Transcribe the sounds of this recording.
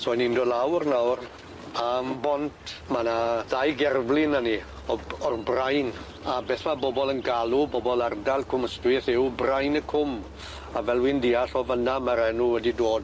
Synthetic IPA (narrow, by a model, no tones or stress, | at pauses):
sɔjnindoːdlawrnawr | ambɔntʰmanaðajɡɛrvlˠɪnani | ɔɔrbrajn | abeːθmabɔbɔlˠənɡalˠubɔbɔlˠardalˠkʰʊməstwɪθɪwbrajnəkʰʊm | avɛlˠwɪndiaɬɔvənamaɾɛnuwɛdidoːd